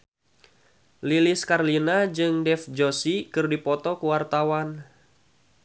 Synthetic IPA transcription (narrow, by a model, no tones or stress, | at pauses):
liliskarlinad͡ʒɨŋdɛfd͡ʒosikɨrdipɔt̪ɔkuwart̪awan